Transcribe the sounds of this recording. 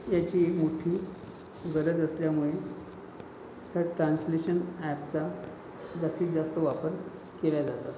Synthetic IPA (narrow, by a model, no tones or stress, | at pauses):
jat͡ɕiːekmuʈʰiː | ɡəɾəd͡zəsljamuɭe | t̪jaʈɾansleɕənæpt͡sa | d͡zast̪iːt̪̚d͡zast̪əʋapəɾ | keljad͡zat̪a